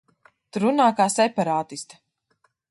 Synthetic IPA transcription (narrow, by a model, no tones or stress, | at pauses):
t̪uɾunaːkaːsɛpaɾaːt̪ist̪ḁ